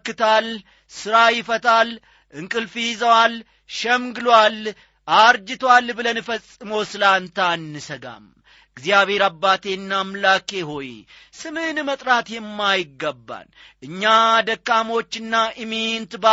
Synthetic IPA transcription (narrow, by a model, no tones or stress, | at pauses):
kːɨt̪ʰal | sɨɾajɪfət̪ʰal | ʔɨŋkʼɨlfijɪzəwal | ʃəmɡɨlwal | ʔaɾd͡ʒɪt̪ʰwalbɨlənɨfəsʼːɨmowsɨlant̪ʰanːɨsəɡa̰m | ɡzijaβe̞ɾabːat̪ʰe̞nːamlakʼe̞ɦo̞j | sɨmɨnmət̪ʼɾat̪jɛmːajɪɡːəbːa̰n | ɨɲːad̪əkːamo̞t͡ʃːɨnːaʔɨment̪ba